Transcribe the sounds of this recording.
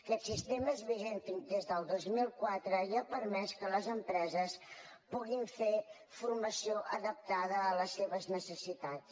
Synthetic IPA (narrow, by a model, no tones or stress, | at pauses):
kɛt̪sist̪eməzβiʒent̪iŋd̪ezðəlˠd̪ozmilˠkwat̪ɾəiəpəɾmɛskələzəmpɾɛzəs | puɣiɱfe | furməsioʔəðəp̚t̪aðəːləsːeβəznəsəsit̪ats